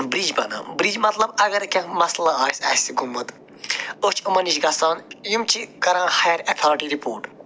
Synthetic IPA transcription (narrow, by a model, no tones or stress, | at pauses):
bɾiːd͡ʒbɐnã̰ːbɾiːd͡ʒmɐt̪lɐbɐɡɐɾkʲɐ̃mɐslaaːsɐsiɡumːɐt̪ | ot͡ʃʰumɐniʃɡɐsaːnjumt͡ʃʰikɐɾãːhɐjɐɾɐt̪ʰaːɾʈiɾipoːɾʈ